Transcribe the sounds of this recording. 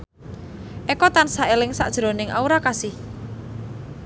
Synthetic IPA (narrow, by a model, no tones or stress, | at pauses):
ʔekɔt̪ansaelɪŋsa̰ʔd̥ʒ̥ɾo̤nɪŋʔa̰uɾakasɪh